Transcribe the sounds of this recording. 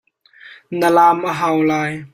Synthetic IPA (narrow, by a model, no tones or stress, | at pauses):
nəlaːmʔəɦaːwlaːj